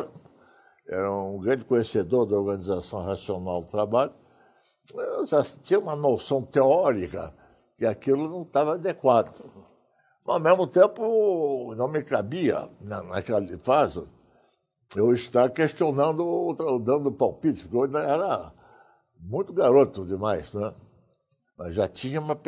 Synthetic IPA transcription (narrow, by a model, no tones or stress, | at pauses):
ɛ̰ɾɐũɡɾɐ̃d͡ʒɪkõɲesed̪oɾd̪ɐoɾɡɐ̃nizasɐ̃w̃hasionawd̪ʊt̪ɾabaʎʊ | eʒat͡ʃĩɲɐũmɐnosɐ̃w̃t̪eɔɾikɐ̰ | kɪakilʊnɐ̃w̃t̪avɐad̪ekwad̪ʊ | mɐawmezmʊt̪ẽpʊnɐ̃w̃mɪkabiɐ̰nɐna̰kɛlɪfazʊ̰ | ewɪst̪akeʃt͡ʃionɐ̃nd̪ʊt̪d̪ɐ̃nd̪ʊpawpit͡ʃ̪ʊpkeoʒɪnɐ̃ɛɾɐ | mũj̃t̪ʊɡaɾot̪ʊd̪ɪmajsnɛ | mɐzʒat͡ʃĩɲɐũmɐ